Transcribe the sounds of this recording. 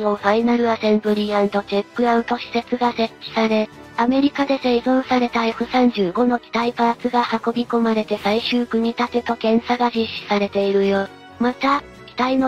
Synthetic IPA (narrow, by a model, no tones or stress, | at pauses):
noɸainaɾɯ̟asẽ̞mbɯ̟ɾʲiãnd̪o̞t͡ɕepːɯ̟aɯ̟nt̪o̞ɕi̥se̞t͡sɨɡase̞kʲːi̥saɾe̞ | ame̞ɾʲikad̪e̞se̞izõ̞ɰ̃saɾe̞t̪açakɯ̟sãɲ̟d͡ʑɨːɡo̞no̞kʲi̥t̪aipat͡sɨɡahako̞bʲiko̞maɾe̞t̪e̞saiɕɨːkɯ̟ɲ̟it̪at̪et̪o̞kẽ̞ɰ̃saɡaʑiɕi̥saɾe̞t̪e̞iɾɯ̟joː | mat̪a | i̥t̪aino